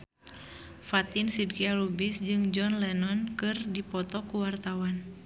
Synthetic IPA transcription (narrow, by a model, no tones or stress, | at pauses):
fat̪insidkialubisd͡ʒɨŋd͡ʒɔnlɛnɔnkɨrdipɔt̪ɔkuwart̪awan